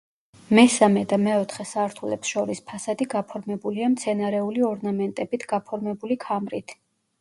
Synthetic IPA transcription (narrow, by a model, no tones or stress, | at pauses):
mɛsamɛd̪amɛɔt̪ʰχɛsaɾt̪ʰulɛpsʃɔɾispʰasad̪iɡapʰɔɾmɛbuliamt̪sʰɛnaɾɛuliɔɾnamɛnt̪ʼɛbit̪ʰɡ̥apʰɔɾmɛbulikʰamɾit̪ʰ